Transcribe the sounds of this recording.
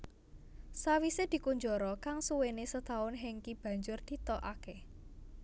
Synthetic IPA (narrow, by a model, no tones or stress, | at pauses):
sawised̪̥i̤kuɲd͡ʒɔɾɔkaŋsuwenesət̪aʊnɦeŋkib̥ä̤ɲd͡ʒʊrd̪̥i̤t̪ɔʔake